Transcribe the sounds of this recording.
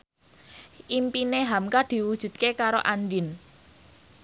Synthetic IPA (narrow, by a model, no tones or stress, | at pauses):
ʔimpineɦamkad̪̥i̤wud̥ʒ̥ṳd̪̥̚kekaɾo̰ʔandɪn